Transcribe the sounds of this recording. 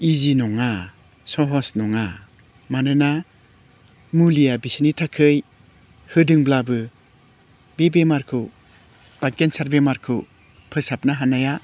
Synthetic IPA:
izinɔŋa | sɔɦɔsnɔŋa | manɯna | mulijabisinitʰakʰɯj | hɯdɯŋblabɯ | bebemaɾkʰɯ | b̥akensaɾbemaɾkʰɯ | pʰɯsap̚naɦanaja

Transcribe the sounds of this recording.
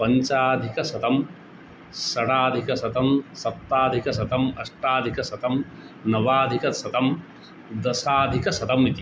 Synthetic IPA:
pɐɲt͡ʃaːd̪ʱikɐsɐt̪ɐm | sɐɽaːd̪ʱikɐsɐt̪ɐmsɐt̪ːaːd̪ʱikɐs̬ɐt̪ɐmɐʂʈaːd̪ʱikɐsɐt̪ɐm | nɐʋaːd̪ʱikɐsɐt̪ɐm | d̪ɐsaːd̪ʱikɐsɐt̪ɐmit̪i

